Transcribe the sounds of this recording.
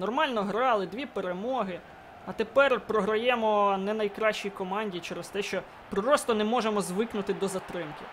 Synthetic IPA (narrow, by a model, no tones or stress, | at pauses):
nɔrmɑlʲnɔɦɾɑlˠɪd̪ʲʋʲipeɾemɔɦɪ | ɐt̪epɛrpɾɔɦɾɐjɛmɔnɛnɐjkɾɑʃt͡ʃijkɔmɑnʲdʲiit͡ʃɛɾɛst̪ɛʃt͡ʃɔ | pɾɪɾɔst̪ɔnɛmɔʒemɔzʋɪknʊt̪ɪd̪ɔzɐt̪ɾɪmkɪ